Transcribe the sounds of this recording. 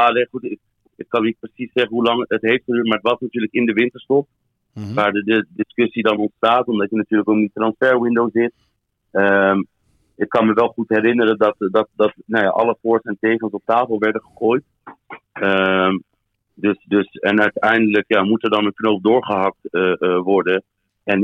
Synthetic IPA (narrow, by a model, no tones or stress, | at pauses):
alejχutɪk̚ | ɪkkːɑnːit̚prəsisːɛχənɦulɑŋətɦejftχədyːɹt̚maːɹətʋɑsnatyːɹləkɪndəʋɪntəɹstɔp̚ | ʋaːɹdədədɪskɵsidɑnɔntstaːtɔmdɑtjənatyːɹləkokditrɑnsfɛɹwɪndowzɪt | əm | ɪkːɑnməʋɛlˠχutɦɛɾɪnəɾədɑtdɑt̚dɑtnowja̰ːʔɑ̰ləfʊːɹsɛntejχənsɔp̚taːfəlˠʋɛɹdəχəχoːjt | əm | dɵsdɵsɛnœɥtɛjndələkjaːmutɛɹdɑnənknowp̚dʊːɹχəɦɑk̚təʋɔɹdə | ɛn